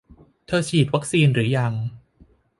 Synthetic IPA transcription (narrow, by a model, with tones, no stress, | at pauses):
t̪ʰɤː˧t͡ɕʰiː˨˩t̪̚wa˦˥k̚siː˧nɾɯː˩˦ja˧˩ŋ